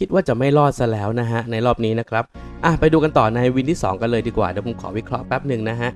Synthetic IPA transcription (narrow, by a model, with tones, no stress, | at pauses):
kʰi˦t̪̚waː˥˩t͡ɕa˨˩ma˥˩jlɔː˥˩t̪̚sa˧˥lɛː˦˥wna˦˥ɦa˦˥ʔna˧jɾɔː˥˩p̚niː˦˥na˦˥kʰɾa˦˥p̚ | ʔa˧˩pa˧jduː˧ka˧nt̪ɔː˨˩naː˧jwi˧nt̪ʰiː˥˩sɔ̰ː˩˦ŋka˧nlɤː˧jdiː˧kwaː˨˩dɛː˨˦pʰo˨˩˦kʰɔ̰ː˩˦wi˦˥kʰɾɔ˦˥pɛ˦˥p̚nɯ˨˩ŋna˦˥ɦa˦˥ʔ